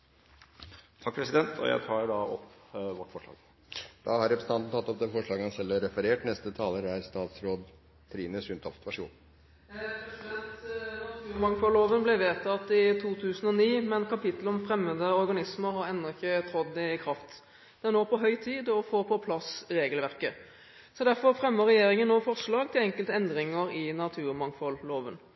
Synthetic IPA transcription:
t̪ʰɑk̚ːpʰɾɛsɪd̪ɛnt̪ʰɔ̰jæ̰ɪt̪ʰɑːɾɖɑɔpʋɔʈːfɔʂɭɑ̰ːɡ | d̪̥ɑhɑɾɛpʰɾɛsn̩ɑnn̩t̪ɑt̪ːɔp̚d̪ɛfɔʂɭɑːɡəɑnsɛlːæɾɛfəɾeːʈnɛst̪ət̪ʰɑːləɾæɾst̪ɑːt̪sɾoːd̪ | t̪ʰɾiːnəsʉnt̪ʰɔft̪ʰʋɑʂṵːn | ɛt̪t̪ʉːmɑŋfɔloːʋənblɛʋeːt̪ɑt̪ɪt̪ʰuːt̪ʰʉːsənɔniːmɛnkʰɑpɪt̪l̩ɔmfɾɛmːəd̪əɔɾɡɑnɪsməɾhɑɾɛnːɔɪçːət̪ʰɾɔd̪d̪ɛɪkʰɾɑft̪ | d̪̥ɛæʁnoːpɔɦœʏt̪ʰiːd̪ɔfoːpʰɔpʰlɑsɾeːɡəlʋæʁkə | sɔd̪æɾfɔʁfʁɛmːəʁɛjeːɾɪŋənːoːfɔʁʂlɑːɡ̚t̪ʰɪlɛŋkəlt̪əɛnd̪ɾɪŋəɾɪnɑt̪ʰʉːɾmɑŋfɔlloːʋən

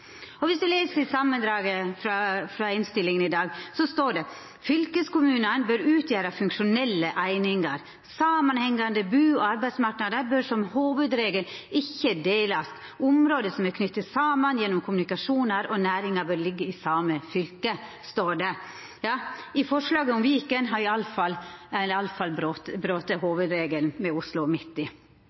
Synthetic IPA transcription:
ɔʋɪsd̪ʉleːsəɾɪsɑmːənd̪ɾɑːɡəfɾɑfɾɑɪnst̪ɪlːɪŋənɪd̪ɑːɡsɔst̪oːɖɛ | fʏlkəskʊmʉːnənbœɾʉːt̪ʰjæːɾɑfʉŋkʂʊnɛlːəʔæɪnɪŋɑɾ | sɑːmɑnhɛŋːɑnd̪əbʉːɔɑɾbæɪd̪smɑɾknɑd̪əɾbøɾʂɔmhuːʋʉd̪ɾeːɡəlɪçːəd̪eːlɑst̪ | ʊmɾoːd̪əsɔmæɾkʰnʏt̪ːət̪sɑːmənjɛnːʊmkʰʊmʉnɪkɑʂuːnəɾɔnæːɾɪŋɑbœːɾlɪɡːəɪsɑːməfʏlkə | st̪oːɖɛ | jɑːɪfɔʂlɑːɡəʊmʋiːkənɦɑɾɪɑlfɑlːɑlfɑlbɾot̪bɾøːt̪əhoːʋʉd̪ɾeːɡəlnmɛʊslʊmɪt̪ːɪ

